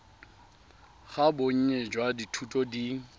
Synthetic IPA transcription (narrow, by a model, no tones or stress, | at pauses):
ɣaboŋ̩ɲed͡ʒwaditʰutʼɔdiːŋ̩